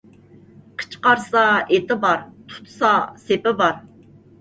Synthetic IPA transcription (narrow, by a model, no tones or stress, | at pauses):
qʰə̥t͡ʃʰqɑɾsɑet̪ɪbɑɾt̪ʰu̥t̪ʰsɑsepɪbɑɾ